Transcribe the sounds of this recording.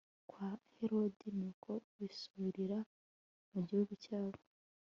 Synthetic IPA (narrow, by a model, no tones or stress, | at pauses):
kwaheɾo̞dinikʰo̞βisuɾiɾa | muɟihuɡucaːβo